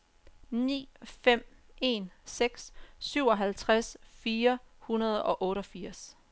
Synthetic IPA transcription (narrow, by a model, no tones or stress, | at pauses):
nḭːfem̰e̝nseɡ̥sːyʊ̰ɒ̽ɦælt͡sʰʁasfiːɐhunɐð̞̩ˠɒ̽ʔɔ̽ːɾɒfiɐ̰s